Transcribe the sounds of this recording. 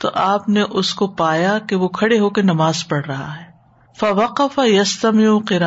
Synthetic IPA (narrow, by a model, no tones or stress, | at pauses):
t̪o̰ʔaːpneʔʊskopaːjakeʋokʰɐɽeɦoːkenɐmaːzpɐɽ̤ɾɐɦa̰ɦɛː | fɐʋɐqɐfɐjɐst̪ɐmɪʊqɪɾaː